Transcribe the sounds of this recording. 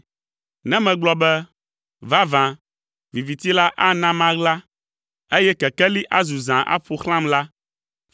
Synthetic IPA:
nɛ̃˦mɛ̃˨ɡ͡blɔ˨bɛ˦ | va˦vã˨ | vi˨vi˨t̪i˦la˦ʔa˦nã˦mã˦ɣla˦ | e˦jɛ˦kɛ˨kɛ˦li˦ʔa˦zu˨zã˨ʔa̰˦ɸo˨xl̃ã˦mla˦

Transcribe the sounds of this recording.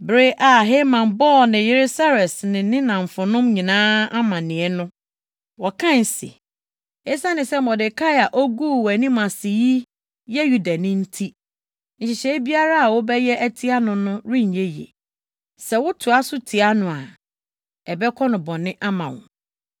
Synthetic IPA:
bɾe˦ʔa˨ɦe˦mã˨mbɔː˦˨nɪ̃˨jɪ˦ɾɪ˦sa˦ɾɛ˨snɪ̃˨nɪ̃˦nã˨ɱ̩˨fʊ̃˨nʊ̃˦mɲĩ˨nãː˦a˦mã˨nɪ̃˨ɛ˦nʊ̃˦ | wɔ˨kʰã˦˨n˨sḭ˨ | e˦sa˦nɪ̃˨sɛ˦mɔ˨dɪ˨kʰa˦ja˨ʔɔ˦ɡuː˦wæ˨nĩ˦mã˨sɪ˨ji˦ | jɛ˦ju˦da˨nʊ̃˦n̩˦tʰi˦ | ɲ̩˨ɕɪ˨ɕɛ˦bi˦a˦ɾa˦a˨wʊ˦bɛ˦jɛ˦ʔæ˦tʰi˦a˦nʊ̃˦nʊ̃˦ɾi˦˨ɲ˨je˦jḛ˨ | sɛ˨wʊ˦tʰu˨a˦sʊ˦tʰi˨a˦nʊ̃˨a˨ | ɛ˨bɛ˦kʰɔ˦nʊ̃˨bɔ̃˨nɪ̃˦ʔa˦mã˨wʊ̰̃˨

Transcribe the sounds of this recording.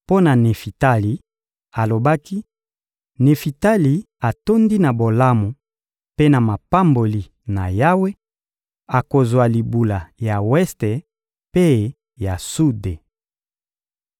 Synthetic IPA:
po˦na˨ne˨fi˨ta˦li˨ | a˨lo˨ba˦ki˦ | ne˨fi˨ta˦li˨ | a˨to˦ndi˦na˨bo˨la˦mo˨ | pe˦na˨ma˨pa˦mbo˨li˨ | na̰˨ja˦we˦ | a˨ko˨zwa˨li˨bu˨la˨ja˨wɛ˦ste˨ | pe˦ | ja˨su˦de˨

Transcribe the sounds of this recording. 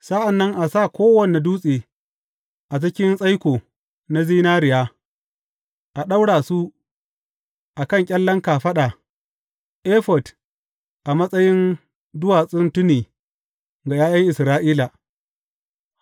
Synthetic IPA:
sa˦ʔa˨nːɐ˦ŋʔa˨saː˦˨kʷoː˦wɐ˦ne˨duː˦sʼeː˨ | ʔa˨t͡ʃɪ˦kʲɪ˦nsʼɐ˦jkʷoː˨ | na˦ziː˦naː˦ɾɪ˨jaː˦ | ʔa˨ɗa˦wɽaː˨su˦ | ʔa˨kɐ˦ŋkʲʼɐ˦lːɐ˦ŋkaː˨ɸɐ˦ɗa˨ | ʔeː˦ɸɔ˨d | ʔa˨mɐ˦sʼɐ˦jɪ˦n | dʊ˦waː˨sʼʊ˦ntʊ˦niː˨ | ɡa˨jaː˦jɐ˦ŋʔɪ˨sɾaː˦ʔiː˦la˨

